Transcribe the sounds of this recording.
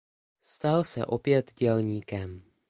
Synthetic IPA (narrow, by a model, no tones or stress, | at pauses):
st̪alsɛ̰ʔo̞pjɛt̪ɟɛlɲiːkɛm